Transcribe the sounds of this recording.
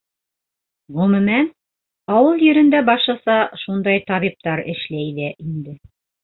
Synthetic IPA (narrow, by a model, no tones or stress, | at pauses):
ʁɵ̆mɵ̆mæn | ɑwɤlˠjɵ̆ɾɘ̆nd̪æbɑʃlˠɑsɑʃund̪ɑjt̪ɑβip̚t̪ɑɾɘ̆ʃlæjðæʔind̪ɘ